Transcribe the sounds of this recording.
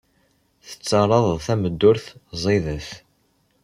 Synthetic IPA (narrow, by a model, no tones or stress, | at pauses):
θə̥t͡sːɑɾˤɑðˤθæməd̪ːʊɾθzˤiðəθ